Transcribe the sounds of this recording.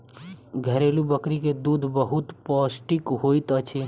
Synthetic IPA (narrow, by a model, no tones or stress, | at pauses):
ɡʱəɾeːlubəkɾiked̪uːd̪ʱbəɦʊt̪pɔːsʈikɦoːit̪ət͡ʃʰi